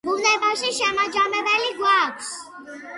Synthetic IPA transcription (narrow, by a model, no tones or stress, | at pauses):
bunɛbaʃiʃɛmad͡ʒamɛbɛliɡwakʰs